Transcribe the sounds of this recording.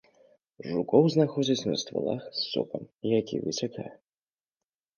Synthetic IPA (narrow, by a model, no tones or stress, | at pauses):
ʐukɔwznaxɔd͡zʲɐt͡sʲnɐst̪va̰lˠa̰xsːɔ̰pɐmijakʲḭvɨ̰t͡sʲakʰajɛ